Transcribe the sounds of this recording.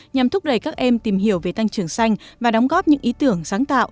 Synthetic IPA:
ɲa˨˩mt̪ʰʊ˦˥k͡p̚ɗə˨˩jkaː˦˥k̚ʔɛ˧mt̪i˨˩mɦi˧˩əwve˨˩t̪a˧ŋt͡ɕɨ˨˩əŋsa˧jŋ̟vaː˨˩ɗɔ˨˦wŋ͡mɣɔ˦˥p̚ɲɨ̰˧˥ŋʔi˨˦t̪ɨ˧˩əŋsaː˨˦ŋt̪a̰ː˧˨wʔ

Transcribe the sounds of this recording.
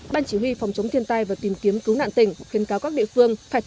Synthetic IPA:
ɓaː˧nt͡ɕi˧˩wi˧fa˨˩wŋ͡mt͡ɕə˨˦wŋ͡mt̪ʰi˧ənt̪aː˧jvaː˨˩t̪i˨˩mki˨˦əmkɨ˨˦wna̰ː˧˨nt̪ï˧˩ŋ̟xi˨˦ənkaː˨˦wkaː˦˥k̚ɗḭ˧˨əfɨ˧əŋfaː˧˩jt̪

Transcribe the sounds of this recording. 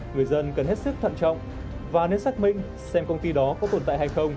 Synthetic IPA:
ŋɨ˨˩əjzə˧nkə˨˩nhe˦˥t̚sɨ˦˥k̚t̪ʰə̰˧˨nt͡ɕɔ̰˧˨wŋ͡m | vaː˨˩ne˨˦˥nsa˦˥k̚mḭ̈˧˨ŋ̟ | sɛ˧mkə˧wŋ͡mt̪i˧ɗɔ˨˦kɔ˨˦t̪o˨˧˩nt̪a̰ː˧˨jhaː˧jxə˧wŋ͡m

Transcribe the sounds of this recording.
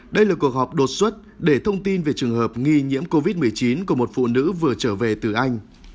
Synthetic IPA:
ɗə˧jlaː˨˩ku˨˩ək̚hɔ˨˩wk͡p̚ɗo˨˩t̚swə˦˥t̚ | ɗe˧˩t̪ʰə˧wŋ͡mt̪i˧nve˨˩t͡ɕɨ˨˩əŋɦəː˨˩p̚ŋi˧ɲḭ˧˥əmko˧vi˦˥t̚mɨ˨˩əjt͡ɕi˨˦nku˧˩əmo˨˩t̚fṵ˧˨nɨ̰˧˥vɨ˨˩ət͡ɕəː˧˩ve˨˩t̪ɨ˨˩ʔa˧jŋ̟

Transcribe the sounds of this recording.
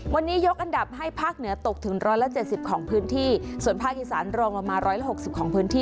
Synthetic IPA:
wa˧nːiː˦˥jo˦˥k̚ʔa˧nda˨˩p̚ɦa˥˩jpʰaː˥˩k̚nɯ˩˦ɐt̪o˨˩k̚t̪ʰɯ˩˦ŋɾɔː˦˥jla˧˥t͡ɕe˨˩t̪̚si˨˩p̚kʰɔː˩˦ŋpʰɯː˦˥nt̪ʰiː˥˩su˨˩ənpʰaː˥˩kʔi˨˩saː˩˦nɾɔː˧ŋlɔ˨˧˩maː˧nɾɔː˦˥jla˧˥ho˨˩k̚si˨˩p̚kʰɔː˩˦ŋpʰɯː˦˥nt̪ʰiː˥˩

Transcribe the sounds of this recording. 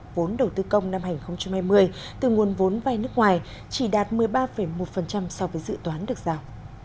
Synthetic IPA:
vo˨˦nɗə˨˩wt̪ɨ˧kə˧wŋ͡mna˧mhaː˧˩ŋ̟xə˧wŋ͡mt͡ɕa˧mhaː˧jmɨ˧əj | t̪ɨ˨˩ŋu˨˩ənvo˨˦nvaː˧jnɨ˦˥ək̚ŋwaː˨˩j | t͡ɕi˧˩ɗaː˨˩t̚mɨ˨˩əjɓaː˧fə˧˩jmo˨˩t̚fə˨˩nt͡ɕa˧msɔ˧vəː˨˦jzɨ̰˧˨t̪waː˨˦nɗɨ˨˩ək̚z̥aː˧˩w

